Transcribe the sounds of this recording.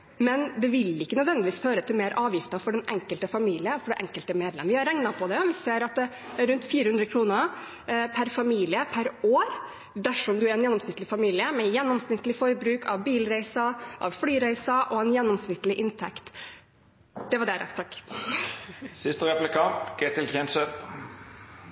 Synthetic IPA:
mɛnd̪ɛʋɪlɪkːənœd̪ʋɛnd̪ɪʋiːsføːɾət̪ʰɪlmeːɾʔɑːʋjɪft̪ɑfɔɖɛnʔɛŋkəlt̪əfɑmiːlɪəfɔɖɛʔɛ̰ŋkəlt̪əmeːd̪lɛ̰mʋɪhɑɾɛŋnɑpʰɔd̪ɛʋɪseːɾɑt̪̚d̪ɛ | ɾʉnt̪fiːɾəhʉnd̪ɾəkʰɾuːnəɾ | pʰæɾfɑmiːlɪəpʰæɾoːɾ | d̪æʂɔmd̪ʉæɾɛnjɛnːɔmsnɪt̪əlɪfɑmiːlɪəmɛjɛnːɔmsnɪt̪ːəlɪfɔɾbɾʉːkʰɑʋbiːlɾæɪsɑʔɑ̰ʋflyːɾæɪsɑʔɔɛnjɛnːɔmsnɪt̪ːəlɪʔɪnt̪ʰɛ̰kt̪ | d̪̥ɛʋɑɖɛɾɛ̰t̪ɑkː | sɪst̪əʁɛplɪkʰɑːt̪ɡ̥et̪ɪlkʰɛnsə

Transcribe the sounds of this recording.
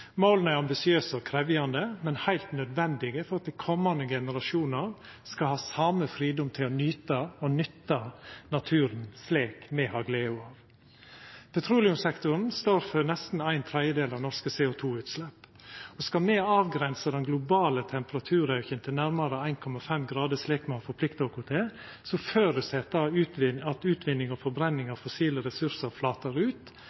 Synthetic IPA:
maʊln̩æɾɑmbɪsɪøːsɔkʰɾɛʋɪjɑnd̪əmɛnhæɪlt̪nœd̪ʋɛnd̪ɪɡəfɔɾɑt̪̚d̪æɪkʰɔmːɑnd̪əɡɛnəɾɑʂuːnəɾ | skɑlhɑːsɑməfɾiːd̪ɔmt̪ʰɪlɔnyːt̪ɑɔnʏt̪ːɑnɑt̪ʰʉːɾənsleːkmɛhɑːɡleːʊɑːʋ | pʰɛt̪ʰɾuːlɪʉmsɛkt̪ʊɾnst̪oːɾfɔɾnɛst̪n̩æɪnt̪ʰɾɛd̪jəd̪eːlɑʋnɔɾʂkəseːʊt̪ʰuːʉːt̪slɛpːɔskɑlmɛɑːʋɡɾɛnsəd̪ɛnɡlʊbɑːlət̪ʰɛmpəɾɑt̪ʰʉːɾɑʉçənt̪ʰɪlnæɾmɑɾəæɪnkʰɔmɑfɛmɡɾɑːd̪əsleːkmɛhɑːfɔɾpʰlɪkt̪ɑɔkʰʊt̪ʰeː | sɔføːɾəsɛt̪d̪ɑʉːt̪ʋɪɑt̪ʉːt̪ʋɪnːɪŋɔfɔɾbɾɛnːɪŋɑʋfɔsiːləɾɛsʉɾsəɾflɑːt̪əɾʉːt̪

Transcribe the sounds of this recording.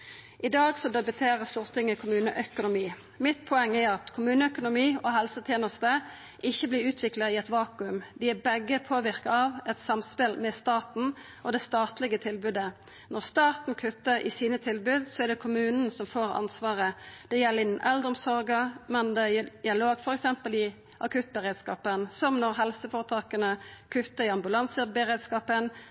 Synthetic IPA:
ʔɪd̪ɑːɡsɔd̪ɛbət̪ʰeːʁəst̪uːʁt̪ʰɪŋːəkʰʊmʉːnəʔœkʊnʊmiː | mɪt̪pʰɔɛŋːɛɑt̪kʰʊmʉːnəœkʊnʊmiːɔɦɛlsət̪ʰjeːnəst̪ə | ʔɪçːəblɪːʉːt̪ʰʋɪklɑʁiːɛt̪ʋɑːkʉmd̪ɪæbɛɡːəpʰoːʋɪʁkɑɑʋɛt̪sɑmspɪlmɛst̪ɑːt̪n̩ | ʔɔd̪ɛst̪ɑːt̪lɪɡət̪ʰɪlbʉd̪ə | nɔʁst̪ɑːt̪n̩kʰʉt̪ːəɾɪ̰siːnət̪ʰɪlbʉd̪sɔæd̪ɛkʰʊmʉːnn̩sɔmfoːɾɑ̰nsʋɑːʁəd̪̥ɛjɛlːəɪnːənʔɛld̪əʁɔmsɔɾɡəmɛnd̪ɛd̪ɪɑloːɡfɔɾɛksɛmpəlɪ | ʔɑkʰʉt̪̚ːbəʁeːd̪skɑːpənsɔmnɔʁɦɛlsəfoːʁət̪ʰɑːkənəkʰʉt̪ːəɾɪɑmbʉlɑnsəbəʁeːd̪skɑːpən

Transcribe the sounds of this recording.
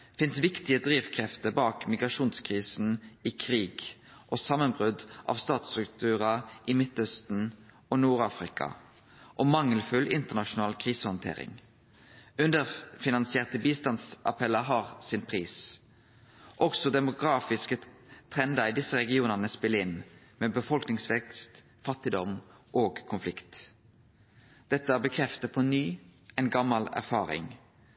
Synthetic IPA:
fɪnsʋɪkt̪ɪəd̪ʁiːʋkʰʁɛft̪əbɑːkmɪɡʁɑʂuːnskʰʁiːsn̩ɪkʰʁiːɡ | ʔoːsɑmːənbʁʉd̪ʔɑ̰ʋst̪ɑːt̪st̪ʁʉk̚t̪ʰʉːʁɑʔɪmɪt̪œst̪n̩ | onuːʁɑːfʁɪkɑ̰ | ʔoːmɑŋːəlfʉlʔɪnt̪əʁnɑʃʊnɑːlkʰʁiːsəhɔnt̪ʰḛːɾɪ̰ŋ | ʉnd̪əfɪnɑnsɪeːʁt̪əbiːst̪ɑnsʔɑ̰pʰɛlːəɦɑːʁsɪnpʰʁiːs | ʔɔɡsɔd̪ɛmʊɡʁɑːfɪskət̪ʰʁɛnd̪əʁɪd̪ɪsəɾɛɡɪuːnəʁnəspɪlːəɪn | meːbəfɔlknɪŋsʋɛkst̪ | fɑt̪ːɪd̪ɔmʔoːɡkʰʊnflɪkt̪ | d̪̥ɛt̪ːəɑbəkʰʁɛft̪əpʰɔnyːɛnɡɑmɑlæ̰ʁfɑːʁɪ̰ŋ

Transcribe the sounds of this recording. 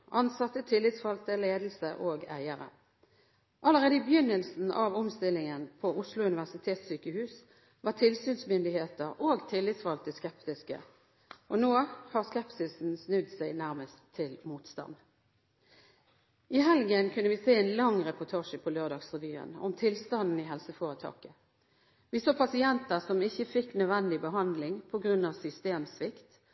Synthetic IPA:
ʔɑnsɑt̪ːət̪ʰɪlːɪt̪sfɑlt̪əleːd̪l̩səʔoːɡæ̰ɪəʁə̰ | ʔɑləʁeːd̪əɪbəjʏnːəlsn̩ʔɑʋɔmst̪ɪlɪŋənpʰɔʔʊslʊʉnɪʋæʁsɪt̪ʰeːt̪syːkəhʉːs | ʋɑːt̪ʰɪlsyːnsmʏnd̪ɪheːt̪əʁoːɡt̪ʰɪlːɪt̪sfɑlt̪əskɛpt̪ɪskə̰ | ʔɔnoːhɑʁskɛpsɪsn̩snʉd̪sæɪnæʁməst̪ʰːɪlmuːt̪st̪ɑ̰n | ʔɪɦɛlɡənkʰʉnːəʋɪseːɛɪnlɑŋʁɛpʊt̪ʰɑːʂəpʰɔløːʁd̪ɑːɡsʁɪʋyːə̰nɔ̰mt̪ʰɪlst̪ɑnd̪n̩ɪɦɛlsəfoːʁət̪ʰɑ̰ːkə | ʋɪsoːpʰɑsɪɛnt̪əsɔmɪçːəfɪkːnœʋɛnd̪ɪbəɦɑnd̪lɪŋpʰɔɡʁʉnːɑʋsʏst̪eːmsʋɪkt̪

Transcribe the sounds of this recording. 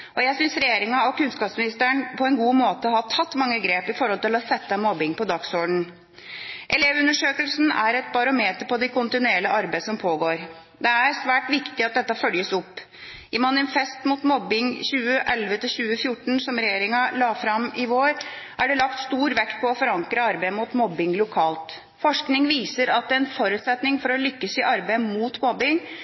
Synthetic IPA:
ʔɔjæɪsʏnsɾɛjeːɾɪŋɑɔkʉnskɑːpsmɪnɪst̪əɳpʰɔɛnɡuːmoːt̪əɔhɑt̪ʰɑt̪ːmɑŋːəɡɾeːpɪfɔɾhɔlt̪ɪlɔsɛt̪ːəmɔbɪŋpɔd̪ɑksoːɖɳ̩ | ʔɛleːʋʉnːəʂøːkəlsn̩æ̰ɾɛt̪̚bɑɾʊmeːt̪əpɔd̪ɛkʰʊnt̪ɪnʉɛːləʔɑɾbæɪsɔmpʰoːɡoːɾ | d̪ɛæɾsʋæːʈʋɪkt̪ɪɑt̪̚d̪ɛt̪ːɑfœljəsʊpː | ɪmɑnɪfɛst̪mʊt̪mɔbɪŋçʉːəʔɛlʋət̪ʰɪlɕʉːəfjʊʈːɳ̩sɔmɾɛjeːɾɪŋɑlɑːfɾɑmɪʋoːɾʔæɖɛlɑkt̪st̪uːɾʋɛkt̪̚pʰɔɔfɔɾɑŋkɾəɑɾbæɪəmʊt̪mɔbːɪŋlʊkʰɑːlt̪ | fɔʂknɪŋʋiːsəɾɑt̪̚d̪ɛɛnfɔɾʉːt̪sɛt̪nɪŋfɔɾɔlʏkːəsɪʔɑɾbæɪmuːt̪mɔbːɪŋ

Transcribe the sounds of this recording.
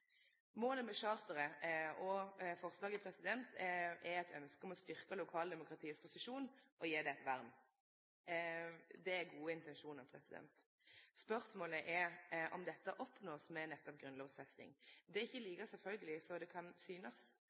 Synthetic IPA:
moːləmɛʂɑːɾt̪əɾəɔfɔʁslɑːɡɪpʰɾɛsɪd̪ɛnt̪ʰɛɾɛt̪ʰœnskəɔmɔst̪ʏʁkəlʊkʰɑːld̪ɛmʊkʁɑt̪ʰiːəspʰʊsɪʂuːnʔɔjeːd̪ɛɛt̪ʋæɾm | d̪ɛæɾɡuːəɪnt̪ɛnʂuːnɑpʰɾɛsɪd̪ɛ̰nt̪ | spœɾsmoːləʔɛɔ̰md̪ɛt̪ːəʔɔpnoːsmɛnɛt̪ːɔp̚ɡɾʉnloːɡsɛsnɪ̰ŋd̪ɛɪçːəliːkəsɛlfœlɡəlɪsɔd̪ɛkʰɑnsyːnəs

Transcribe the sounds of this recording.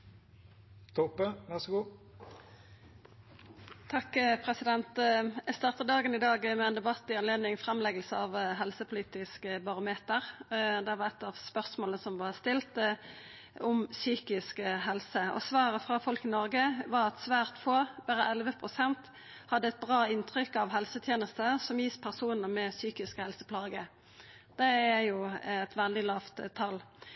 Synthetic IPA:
t̪ʰɔpːəʋæʁsɡuː | t̪ʰɑkːpʰʁɛsɪd̪ɛnt̪ɛst̪ɑːʁt̪əd̪ɑːɡənɪd̪ɑːɡmɛɛːnd̪ɛbɑt̪ːɪɑnleːd̪nɪŋfʁɛmlɛɡəlsəɑʋɦɛlsəpʰʊliːt̪ɪskəbɑʁʊmeːt̪əʁd̪ɛʋɑɛt̪ːɑʋspœʁsmoːləsɔmʋɑʁst̪ɪlt̪ə | ʊmsyːkɪskɦɛlsəɔ̰sʋɑːɾəfɾɑfɔlkənɔɾɡəʋɑɾɑt̪sʋæːʁt̪foːb̥æɾəʔɛlʋəpʰʁʊsɛnt̪ | hɑd̪ːəɛt̪̚bʁɑːɪnt̪ʁʏkːɑʋɦɛlsət̪ʰjeːnəst̪əsɔmjiːspʰæʁsuːnəmɛsyːkɪskhɛlsəpʰlɑːɡə | d̪̥ɛæjʊɛt̪ʋɛld̪ɪlɑːʋt̪t̪ʰɑl

